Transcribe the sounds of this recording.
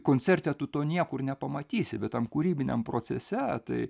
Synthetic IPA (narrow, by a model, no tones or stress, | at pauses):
koːnʲt͡sʲɛrʲt̪ʲɛt̪ʊt̪oːnʲiɛkʊrnʲɛpɐmɐt̪ʲiːsʲɪbʲɛt̪ɐmkuːɾʲiːbʲɪnʲɛ̰mpɾoːt͡s̪ʲɛsʲɛt̪ɐɪ